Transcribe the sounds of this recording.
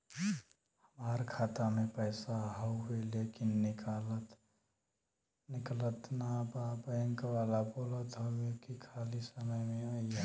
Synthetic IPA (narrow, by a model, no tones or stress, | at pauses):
həmaɾkʰaːt̪amẽpəɪsaɦəelekɪnːɪkalət̪ | nɪklət̪nababəəŋkalaboːlət̪ɦoekikʰaːlisəməjmẽəi